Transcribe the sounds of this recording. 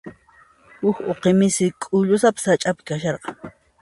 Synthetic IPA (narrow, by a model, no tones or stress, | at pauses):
hʊkoqemɪsɪkʼʊʎʊsapɪ̥sat͡ʃʼapɪ̥kaʃɑɾqɑ